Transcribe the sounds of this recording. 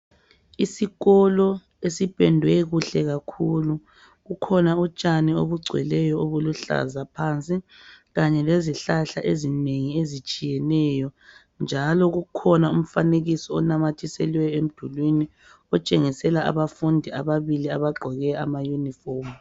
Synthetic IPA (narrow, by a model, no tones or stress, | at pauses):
isiɣɔlɔ | esipʼɛndʱwɛɣuɬɛɣakʰulu | ɣukʰɔnaut͡ʃʼanio̰βuɡ͡ǀʱwɛ̰lɛjɔoβuluɬa̰zapʰant͡sʼiɣaɲɛleziɬaɬaʔezineŋiezit͡ʃʼijɛnɛjɔ | nd͡ʒʱalɔɣukʰɔnaum̩faneɣisɔɔnamatʰisɛlwɛjɔem̩d̥ʱulwini | ɔt͡ʃʼeŋisɛlaʔa̰βafundʱiaβaβiliaβaɡ͡ǃʱɔɣɛamajunifɔrmu